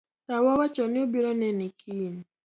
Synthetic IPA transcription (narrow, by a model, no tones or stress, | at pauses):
sawawat͡ʃɔnɪobiɾɔnɛnikʰin